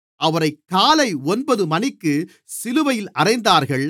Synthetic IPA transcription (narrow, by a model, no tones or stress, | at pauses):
ɐʋɐɾɐɪkːaːlɐɪɔnbɐðɯmɐnɪkːɯ | sɪlɯʋɐjɪlɐrɐɪnd̪aːɾɣɐɭ